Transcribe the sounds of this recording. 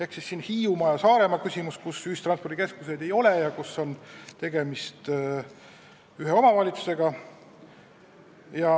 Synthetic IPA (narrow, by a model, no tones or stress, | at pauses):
eksisːinhiːumɑjɑsɑːɾe̞mɑkysʲimuskusyːst̪ɾrɑnspo̞rd̪ike̞skus̬e̞jd̪e̞jo̞lejɑkuso̞nt̪e̞ɡ̥e̞mist̪ | yɦeo̞mɑvɑlʲit̪su̥se̞ɡ̥ɑ | jɑ